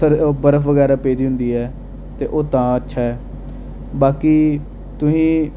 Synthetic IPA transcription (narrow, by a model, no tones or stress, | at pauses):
əɾbəɾəfʋəɡɛːɾaːpeːd̪iːɦʊ̃nd̪iːɛː | t̪eːʔoːt̪ãːətːʃʰaːɛː | baːkiː | t̪ʊsĩː